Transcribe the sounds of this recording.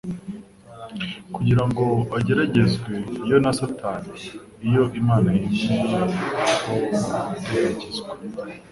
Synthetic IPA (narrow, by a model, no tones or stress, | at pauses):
kuɟiɾaŋɡo̞aɟe̞ɾaɟe̞zɡwe̞ijo̞nasatani | ijo̞ʔimaːnajiʃinakoaateɾecezɡwe